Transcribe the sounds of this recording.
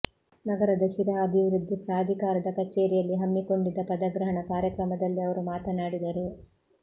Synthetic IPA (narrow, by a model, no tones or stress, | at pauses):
nɐɡɐɾɐd̪ɐʃiɾaɐbʱiʋɾud̪ʱːipɾaːd̪ʱikaːɾɐd̪ɐkɐt͡ʃːeːɾijɐlːiɦɐmːiko̞ɳɖid̪ːɐpɐd̪ɐɡɾɐɦɐɳɐkaːɾjɐkɾɐmɐd̪ɐlːiɐʋɐɾumaːt̪ɐnaːɽid̪ɐɾu